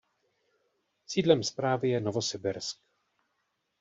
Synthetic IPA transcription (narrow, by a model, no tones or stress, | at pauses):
siːdlɛmspɾaːvɪjɛnovosɛbɛɾsk